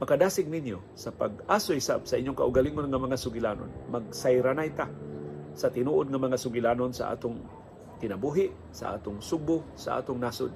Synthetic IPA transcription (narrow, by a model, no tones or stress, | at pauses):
makad̪aːsɪɡ̚nɪnjo | sapa̰ɡ̚ʔaːsohɪsa̰bsaʔiɲjʊŋkaʔʊɡaliŋonŋamaŋasʊɡɪlaːno̰nmaɡ̚sajɾanajt̪asat̪ɪnuːʔod̪̚ŋamaŋasʊɡɪlaːnonsa̰ʔa̰ːt̪ʊŋ | t̪ɪnabuɦɪʔ | sa̰ʔa̰ːt̪ʊŋsʊb̚ʊsaʔa̰ːt̪ʊŋnasʊ̰d̪̚